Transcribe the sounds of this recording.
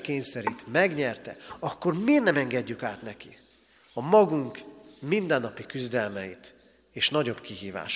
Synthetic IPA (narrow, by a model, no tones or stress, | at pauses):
keːɲsɛɾit̪mɛɡɲɛrt̪ɛ̰ɒkːo̞rmeːrnɛmɛŋɡɛɟːykaːt̪nɛki | ɒmɒɡuŋkmind̪ɛnːɒpikyzd̪ɛlmɛjit̪ | eːʃnɒɟo̞bkiɦiːva̰ːʃ